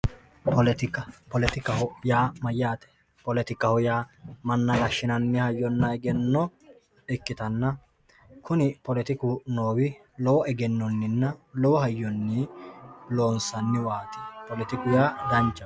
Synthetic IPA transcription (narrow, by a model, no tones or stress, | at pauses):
pɔlɛt̪ɪkɐpɔlɛt̪ɪkɐhɔjaːmɐjːaːt̪ɛ̥ | pɔlɛt̪ɪkɐhɔjaːmɐnːɐɡɐʃːɪnɐnːɪhɐjːɔnːɐɛɡɛnːɔ | ɪkːɪt̪ɐnːɐ | kʰʊnɪpɔlɛt̪ɪkʊno̞ːwɪ | lɔwɔʔɛɡɛnːɔnːɪnːɐlɔwɔɦɐjːɔnːɪ | lo̞ːnsɐnːɪwaːt̪ɛ̥pɔlɛt̪ɪkʊjaːd̪ɐnt͡ʃːɐ